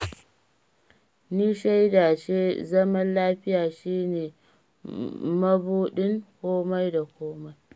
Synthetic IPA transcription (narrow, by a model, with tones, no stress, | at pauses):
niː˦ʃa˦jdaː˨ʃeː˦zɐ˦mɐ˦nlaː˦ɸɪ˦jaː˨ʃiː˦neː˨ | mɐ˦buː˦ɗɪ˦ŋkʷoː˦ma˦jda˨kʷoː˦ma˦j